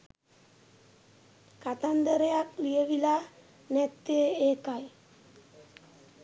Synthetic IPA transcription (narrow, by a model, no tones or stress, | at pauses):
kat̪and̪əɾejaklijəʋila | nɛt̪ːeeːkaj